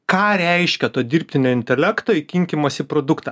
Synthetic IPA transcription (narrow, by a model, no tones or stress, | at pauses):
kɑːɾʲɛɪʃʲkʲɛt̪oːd̪ʲiɾʲpʲt̪ʲɪnʲoːɪnʲt̪ʲɛlʲɛkt̪oːikʲɪŋʲkʲɪmosʲɪpɾoːd̪ʊkt̪ɐ